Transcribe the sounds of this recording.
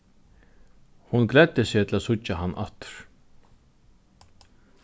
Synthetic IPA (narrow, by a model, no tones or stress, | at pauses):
hunɡlɛd̪̥ɪsɪːt̪ʰɪlasʊt͡ʃːahanːʔa̰t̪ʏ̥ɾ̥